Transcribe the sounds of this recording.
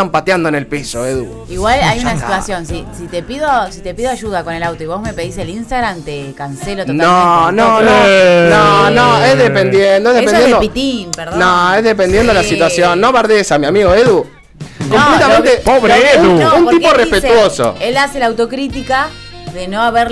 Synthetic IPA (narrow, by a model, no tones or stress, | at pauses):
tampat̪jand̪oene̞lpisoeðṵ | iɣwalajunasi̥t̪wasjo̞nsisit̪epiðosit̪e̞piðoaʒuðakonelawt̪oiβozmepe̞ðiselinst̪aɣɾamt̪ekanselot̪onaononononoezðepend̪jend̪oezðepenjed̪opit̪impeɾðnoezðep̬end̪jend̪oelasit̪wasjonːoβaɾðesamjiamiɣoeðu | komplet̪amẽnt̪epoβɾeeuounpoɾipporespet̪woso̰elaselawt̪o̞kɾit̪ika | ðenoaβeɾ